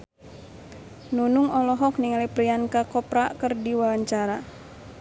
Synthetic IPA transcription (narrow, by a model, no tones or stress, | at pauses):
nunuŋɔlɔɦɔk̚niŋalipɾiankakɔpɾakərdiwawaɲt͡ʃaɾa